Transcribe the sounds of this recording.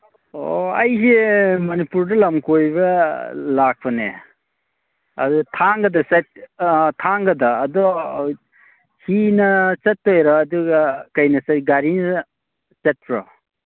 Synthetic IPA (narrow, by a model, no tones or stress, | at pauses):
o̰ɐjsemɐnipuɾdɐlɐmkojbɐlak̚pʰɐnḛ | ɐ̰dɔtʰaŋɡɐdɐsat̚tʰaŋɡɐdɐːdɔ | hinɐt͡ʃɐtːojɾɔːduɡɐkɐjnɐsaɡaɾinɐ | t͡ʃet̚pʰɾɔ̰